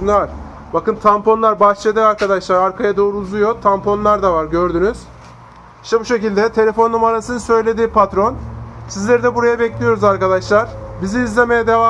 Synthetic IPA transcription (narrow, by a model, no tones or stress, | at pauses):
nˠaɾ̥ | bakɯnt̪ʰampʰo̞nlˠaɾbat͡ʃʰed̪iːaɾkad̪aʃlˠaɾaɾkʰajad̪o̞ːɾuːzujo̞t̪ʰampʰo̞nlˠaɾd̪avaɾɟø̞ɾd̪ynyz̥ | i̥ʃt̪ɛbuʃe̞cilʲd̪ɛt̪ʰe̞lʲe̞fo̞nːumaɾasɯnɯsø̞jlʲe̞d̪iːpʰat̪ɾo̞nsizlʲeɾid̪ɛbuɾajabɛclʲijo̞ɾuzaɾkad̪aʃlˠaɾ̥ | biziːzlʲemejɛd̪e̞vaː